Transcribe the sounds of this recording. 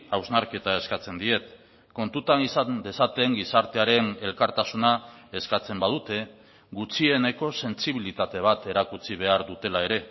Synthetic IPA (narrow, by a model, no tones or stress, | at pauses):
awznaɾke̞t̪ae̞skat͡se̞nd̪ie̞t̪ | ko̞nt̪ut̪anisad̪e̞sat̪e̞ŋɡisaɾt̪e̞aɾe̞ne̞lkaɾt̪asunae̞skat͡se̞mbað̞ut̪e̞ | ɡut͡ʃie̞ne̞ko̞se̞nsiβ̞ilit̪at̪e̞β̞at̪e̞ɾakut͡siβ̞e̞aɾðut̪e̞lae̞ɾe̞